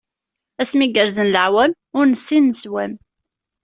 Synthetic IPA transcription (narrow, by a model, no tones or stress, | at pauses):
æsmiɡəɾzənləʕwæm | ʊɾnəsːinəswæm